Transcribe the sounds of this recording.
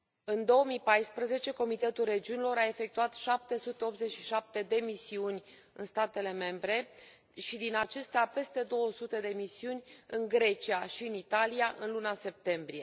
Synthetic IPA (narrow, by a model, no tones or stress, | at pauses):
ɨnd̪o̞omipajspɾəze̞t͡ʃe̞ko̞mit̪e̞t̪ulred͡ʒiunilo̞ɾae̞fe̞k̚t̪uat̪ʃap̚t̪e̞sut̪e̞o̞pt̪ze̞t͡ʃʃiʃap̚t̪e̞d̪e̞misiunʲ | ɨ̰nst̪at̪e̞le̞me̞mbɾe̞ | ʃid̪inat͡ʃe̞st̪eape̞st̪e̞d̪o̞wəsut̪e̞d̪e̞misiunʲɨŋɡɾe̞t͡ʃiaʃiɨnit̪aliaʔɨ̰nlunase̞p̚t̪e̞mbɾije̞